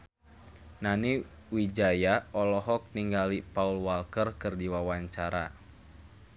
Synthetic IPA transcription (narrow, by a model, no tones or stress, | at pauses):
naniwid͡ʒajaɔlɔɦɔk̚niŋɡalipaulwalkərkɨrdiwawaɲt͡ʃaɾa̰